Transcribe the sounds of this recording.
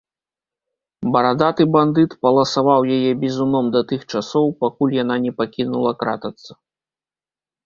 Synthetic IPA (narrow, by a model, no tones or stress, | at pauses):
bɐɾad̪at̪ɨband̪ɨt̪pɐlˠɐsavawjajɛbʲizunɔmd̪ɐt̪ɨxt͡ʂasɔwpakulʲjananʲɛpakʲinulˠɐkɾa̰t̪ɐt̪sːɐ̥